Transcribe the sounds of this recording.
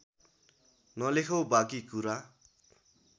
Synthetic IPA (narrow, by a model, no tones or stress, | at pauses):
nʌlekʰobakikuɾa